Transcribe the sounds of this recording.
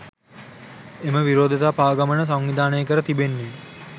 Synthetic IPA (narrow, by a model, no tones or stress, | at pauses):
eməʋiɾoːd̪ʱət̪aːpaːɡamənəs̬aŋʋid̪aːnəjəkəɾət̪ibenːe